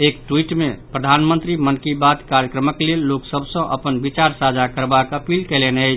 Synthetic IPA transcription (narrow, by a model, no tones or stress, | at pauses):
ek̚ʈwiʈmepɾəd̪ʱanmənt̪ɾimənkibad̪kaɾjəkɾəməklelːoksəbsə̃ʔə̰pənbit͡ʃaɾsad͡ʒʱakəɾbakəpilkɛleneəjt͡ʃʰ